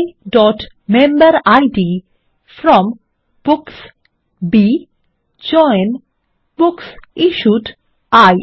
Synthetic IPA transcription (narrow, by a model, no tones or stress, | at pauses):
ɖɔʈ | mẽmbəɾajɖi | fɾɔm | b̥uks | bi | d͡ʒɔjn | buksiʃuʈ | aj